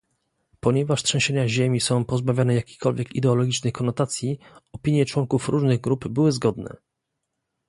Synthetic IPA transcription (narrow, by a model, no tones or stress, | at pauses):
pɔɲɛvaʂt̪ʂɛ̃ɕeɲaʑemʲisɔ̃w̃pɔzbavʲjanɛjakʲe̥jkɔlvʲjɛkḭd̪ɛɔlɔɡʲit͡ʂnɛjkɔnɔt̪at̪sʲjiɔpʲiɲjɛt͡ʂwɔŋkufɾuʐnɘɣɡɾupbɘwɘzɡɔd̪nɛ̰